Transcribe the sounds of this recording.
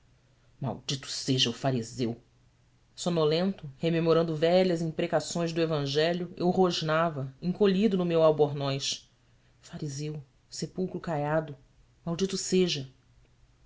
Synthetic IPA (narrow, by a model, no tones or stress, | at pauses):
ma̰wd͡ʒit̪ʊ̥seʒɐʊfaɾizew | sonolẽnt̪ʊhememoɾɐ̃nd̪ʊvɛʎɐzẽpɾekasõj̃zd̪ʊevɐ̃ʒɛʎʊewɦoʒnavɐẽŋkoʎid̪ʊnʊmewawboɾnɔjʃ | faɾizew | sepuwkɾʊkajad̪ʊ | mawd͡ʒit̪ʊseʒɐ